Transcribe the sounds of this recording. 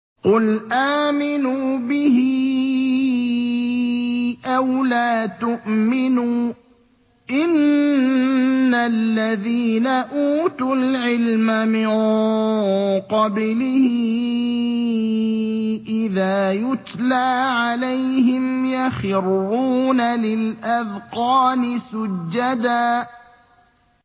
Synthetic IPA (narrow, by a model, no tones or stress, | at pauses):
qʊlʔaːmɪnuːbɪhɪ | ʔawlaːt̪ʊʔmɪnuː | ʔɪn | alːaðiːnaʔuːt̪ʊlʕɪlmamɪn | qɑblɪhɪ | ʔɪðaːjʊt̪laːʕalajhɪmjaxɪrːuːnalɪlʔaðqɑːnɪsʊd͡ʒːad̪aː